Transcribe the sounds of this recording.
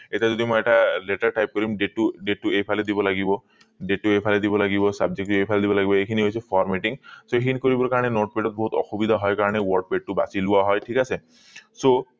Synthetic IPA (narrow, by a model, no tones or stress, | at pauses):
etad͡ʒɔd̪imojeʈaleʈaɾʈajp̚kɔɾimɖeʈuɖeʈːuepʰaled̪ibɔlaɡibɔ | ɖeʈːuepʰaled̪ibɔlaɡibɔsab̚d͡ʒek̚ʈepʰaled̪ibɔlaɡibɔekʰiniɦojt͡ʃʰepʰɔɾmeʈiŋsoekʰinikɔɾibɔɾkaɾɔɽ̃enoʈ̚peʈɔt̪̚bɔɦut̪ɔxubid̪ʱaɦɔjkaɾɔɽ̃ewɔɾɖ̚peʈ̚ːuba̰siluaɦɔjʈʰikase | so